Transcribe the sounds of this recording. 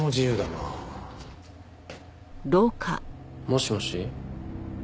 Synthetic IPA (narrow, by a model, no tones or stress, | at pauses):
mod͡ʑijɯːd̪ana | d̪oːkʰa̰moɕimoɕi